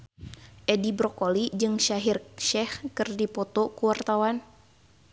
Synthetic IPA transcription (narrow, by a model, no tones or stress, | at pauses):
ʔɛdibɾɔkolid͡ʒɨŋʃaɦirʃɛhkɨrdipɔt̪ɔkuwart̪awan